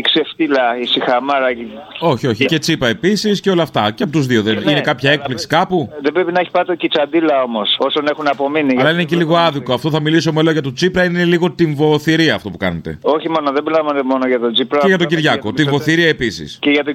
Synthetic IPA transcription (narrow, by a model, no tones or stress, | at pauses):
ikseft̪ilɐisixɐmɐɾɐo̞çio̞çice̞t͡sipɐe̞pisisceo̞lɐːft̪ɐceɐpo̞t̪uzðioðenine̞kɐpçɐe̞k̚pliksi̥kɐpuðebɾepinɐeçi̥pɐt̪ecit͡sɐnd̪ilɐo̞mo̞so̞sone̞xunɐpo̞miniʝɐlɐineciliɣo̞ɐðiko̞ɐft̪oθɐmilis̬o̞meloʝɐt̪ot͡sipɾɐineliɣo̞t̪iɱvo̞θiɾiɐːft̪o̞pukɐ̰net̪e̞̰o̞çimo̞noðebilɐvɐnt̪emo̞noʝɐt̪od͡zipɾɐeʝɐt̪o̞ɟiɾʝɐko̞t̪iɱvo̞θiɾiɐe̞pisḭsceʝɐt̪o